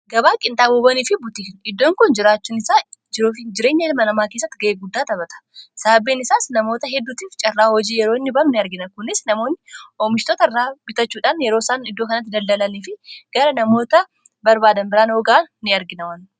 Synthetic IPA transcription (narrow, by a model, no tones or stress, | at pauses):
ɡɐbaːkʼɪnt̪ʼaːboːbɐniːfɪbʊt̪iːnɪd̪ːo̞ːŋkʊnd͡ʒɪɾaːt͡ʃːuːnɪsaːd͡ʒɪɾoːfɪd͡ʒɪɾe̞ːɲːɐɪlmɐnɐmaːke̞ːs̬ːɐt̪ːɪɡɐʔeːɡʊd̪ːaːt̪ɐβɐt̪ɐ̥saːbːeːnɪsaːsnɐmo̞ːt̪ɐɦɛd̪ːuːt̪iːft͡ʃʼɐrːaːhɔd͡ʒiːjɛɾoɪnːɪbɐmnɪɐɾɡɪnɐkʊnːɪsnɐmo̞ːnːɪʔoːmɪʃt̪oːt̪ɐrːaːbɪt̪ɐt͡ʃːuːᶑaːnjɛɾo̞ːsaːnɪd̪ːo̞ːkɐnɐt̪ːɪd̪ɐld̪ɐlɐniːfɪɡ̥ɐɾɐnɐmo̞ːt̪ɐ | bɐɾbaːd̪ɐnbɪɾaːnhoːɡaːnːɪɐɾɡɪnɐwɐn